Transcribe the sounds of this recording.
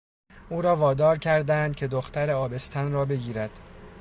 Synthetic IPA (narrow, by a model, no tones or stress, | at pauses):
ʔuːɾɒːvɒːd̪ɒːɾcʲʰæɾd̪ænd̪̚cʰe̞d̪oxt̪æɾeɒːbe̞st̪ʰænɾɒːbe̞ɡiːɾæd̪̥